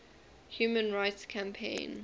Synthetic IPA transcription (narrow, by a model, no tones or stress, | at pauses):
hjuːmə̃nɹaɪtskʰãmpʰḛ̃ɪ̃n